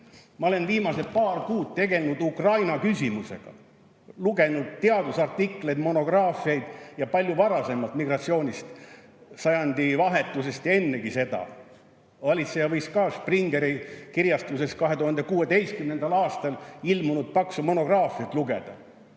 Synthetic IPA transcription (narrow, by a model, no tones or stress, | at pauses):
mɑo̞le̞nviːmɑse̞t̪pɑːrkuːd̪̥̚t̪e̞ɡe̞lnud̪ukrɑjnɑkysʲimuse̞̰ɡ̥ɑ̰ | luɡe̞nud̪̥̚t̪eɑd̪usɑrt̪ːikle̞jd̪mo̞no̞ɡ̥rɑːfiɑjd̪̥jɑpɑlʲjuvɑɾɑse̞mːɑlt̪miɡrɑt̪sio̞ːnʲist̪ | sɑjɑnd̪ivɑɦe̞t̪ːˑuse̞st̪jɑe̞nːe̞kise̞d̪ɑ̰ | vɑlʲit̪sejɑvɤjskɑːspriŋɡe̞ɾikirjɑst̪use̞skɑɦe̞t̪uhɑnd̪ekuːe̞t̪e̞jst̪̚kymnend̪ɑlɑːst̪ɑlilmunud̪̥̚pɑksumo̞no̞ɡ̥rɑːfiɑt̪luɡ̥e̞̰d̪̥ɑ̰